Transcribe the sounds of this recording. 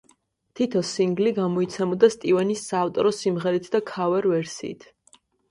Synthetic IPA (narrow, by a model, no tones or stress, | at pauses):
t̪ʰit̪ʰɔsiŋɡliɡamɔit̪sʰɛmɔd̪ast̪ʼivɛnisaːft̪ʼɔɾɔsimʁɛɾit̪ʰd̪akʰavɛɾvɛɾsḭːt̪ʰ